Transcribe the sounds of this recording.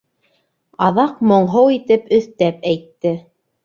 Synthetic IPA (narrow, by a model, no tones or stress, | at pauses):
ɑðɑqmŏɴɦɤwit̪ɘpɵ̆θt̪æpæjt̪ːɘ